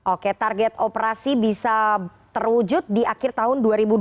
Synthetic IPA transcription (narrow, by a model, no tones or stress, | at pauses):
ʔoket̪arɡɛt̪opəɾasibisat̪ərwud͡ʒʊt̪̚diakɪrt̪aɦʊnduaɾibu